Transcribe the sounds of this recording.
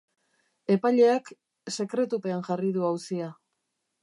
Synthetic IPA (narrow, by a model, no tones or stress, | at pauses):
e̞paʎe̞ak | se̞kɾe̞t̪upe̞anʝariðuawsia